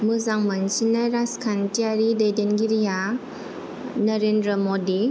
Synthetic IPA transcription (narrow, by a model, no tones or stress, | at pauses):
mɯzaŋmansinaɾaskʰantiaɾidejdenɡiɾija | nɔɾendɾəmodi